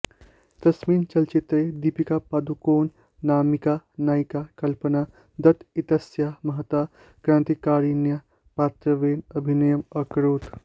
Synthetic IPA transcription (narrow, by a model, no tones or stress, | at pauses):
d̪ɐsmiːnt͡ʃɐlt͡ʃit̪ɾed̪ipikapad̪ukoːnː | aːmikanaːjkakɐlpəna | d̪ɐt̪it̪ɐsjamɐɦət̪a | kɾãːnt̪ikaɾinja | paːt̪ɾəʋeːnɐbʱinɐjəmɐkɾoːt̪